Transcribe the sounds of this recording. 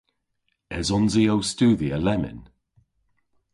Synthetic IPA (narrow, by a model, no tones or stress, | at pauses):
ɛzɔnziowstuːðiəlɛmɪ̰n